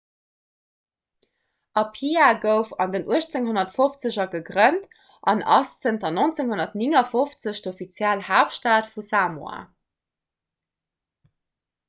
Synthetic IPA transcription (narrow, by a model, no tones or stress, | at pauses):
ʔɑpʰiaɡəʊfɑndənʔuəɕt͡seŋɦonɐtfoft͡səʑɐɡəɡʁənt | ʔɑnʔɑ̰st͡səntɐnont͡seŋhonɐtniŋɐfoft͡səɕtofit͡sjælhaːpʃtaːtfusaːmua̰ː